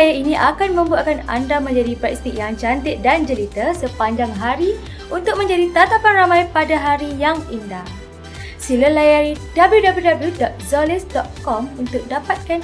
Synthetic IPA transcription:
jainĩʔakanmə̃mbuaʔkana̰ndamə̃ɲd͡ʒadipɾɛkst̪ik̚jaŋt͡ʃant̪ɪt̪̚dand͡ʒəlit̪əsəpaɲd͡ʒaŋɦaɾi | unt̪ʊk̚mə̃ɲd͡ʒadit̪at̪apanramãjpadaɦaɾijaŋindah | siləlajaɾidabəljudabljudabəljudɔt̪̚zɔlisdɔt̪̚kɔmunt̪ʊk̚dapat̪̚kan

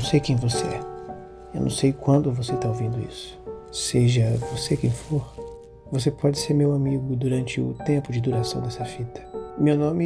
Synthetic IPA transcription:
w̃sejkẽj̃voseɛ̰ | ewnɐ̰̃w̃sejkwɐ̃nd̪ʊvoset̪aovĩnd̪ʊḭsʊ̥seʒɐvosekẽj̃foɾ | vosepɔd͡ʒɪseɾmewamiɡʊd̪uɾɐ̃nt͡ʃɪʊ̰t̪ẽmpʊd͡ʒɪd̪uɾasɐ̃w̃d̪ɛsɐfit̪ɐ̥mewnõmɪ

